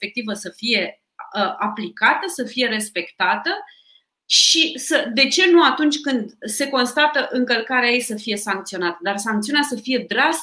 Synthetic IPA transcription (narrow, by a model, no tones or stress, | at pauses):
pek̚t̪ivəsəfije̞ | əʔaplikat̪əsəfije̞ɾe̞spe̞kt̪at̪ə | ʃisəd̪e̞t͡ʃe̞nuat̪unt͡ʃʲkɨnd̪se̞ko̞nst̪at̪əʔɨŋkəlkaɾeajejsəfije̞saŋk̚t̪sio̞nat̪əd̪arsaŋkt̪siuneasəfije̞d̪ɾas